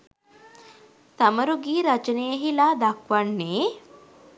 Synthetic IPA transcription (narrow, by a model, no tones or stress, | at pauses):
t̪ɐməɾuɡiːɾɐt͡ʃənejəɦilad̪akʋaɳːeː